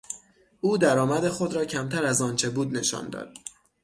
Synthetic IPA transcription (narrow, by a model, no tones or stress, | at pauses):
ʔuːd̪æɾɒːmæd̪e̞xo̞d̪ɾɒːcʰæmt̪ʰæɾæzɒːnt͡ʃʰe̞buːd̪ne̞ʃɒ̰ːnd̪ɒ̰ːd̪̥̚